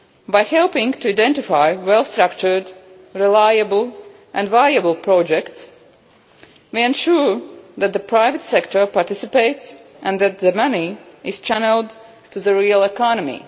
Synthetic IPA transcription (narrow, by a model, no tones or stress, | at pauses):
baɪhɛlˠpɪ̃ŋɡtuaɪdɛ̃ntɪfaɪwɛlˠst̪ɾakt͡ʃə˞d | ɾilajəbl̩ˠ | ʔæ̃ndvajəblˠpɹɔd͡ʒɛkts | miɛ̃nʃuɹðæt̪̚ðəpʰɾaɪvət̪sɛktə˞paɾtɪsɪpeɪts | ʔæ̃nðæt̪ðəmaniɪz̥t͡ʃænəlˠd | tuðəɹiəlˠɛkɑnɔmḭ